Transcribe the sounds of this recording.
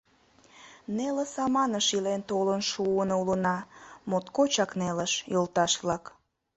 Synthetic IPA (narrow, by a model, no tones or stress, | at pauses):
neləsɑmɑnəʃilent̪olənʃuənoulənɑmot̪kot͡ɕɑkneləʃjolt̪ɑʃβlɑk